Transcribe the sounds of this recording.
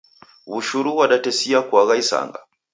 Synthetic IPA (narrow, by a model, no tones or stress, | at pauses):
βuʃuɾuwaɗatɛsiakuaɣaisa̰ŋɡa̰